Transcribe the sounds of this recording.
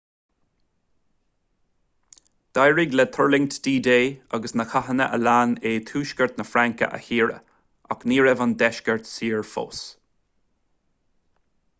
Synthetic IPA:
d̪̥ajɹiɡlɛt̪ʰɔɹlɪŋt̪d̥̪iːd̪eːaɡəsnəxʰaɦənəʔə̰laːneːt̪ʰuːʃkəɹt̪nəfɾaŋkə̰ʔə̰hiːɹə̰ | a̰kniːɹɛvənd̪ɛʃkəɹt̪siːɹfo̰ːs

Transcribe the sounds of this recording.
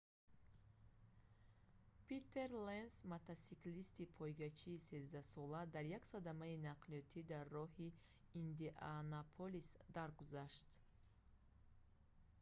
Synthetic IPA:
pit̪ʰːe̞ɾlensmat̪ʰasiklist̪ipʰɔjɡat͡ʃʰiːsezd̪asɔlad̪aɾjaksad̪amainaqliɔt̪ʰid̪arːɔhiː | nd̪iʔanapʰolisd̪aɾɡuzaʃt̪

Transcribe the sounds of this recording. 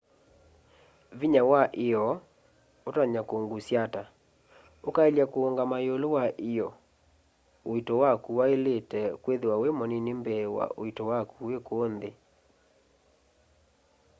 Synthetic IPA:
viɲawaʔejɔ | otaɲakoŋɡusjata | okaeljakoːŋɡamajolowaʔɪjɔ | oitɔwakuwaeletɛkweðewawemɔninembɛwa̰ʔo̰itowakuwekoonðe

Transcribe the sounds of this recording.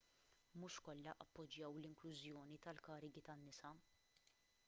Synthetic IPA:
muʃkɔlːɐʔɐpːɔd͡ʒjɐwlɪŋklʊzjɔːnit̪ɐlkɐːɾɪɡit̪ɐnːɪsɐ

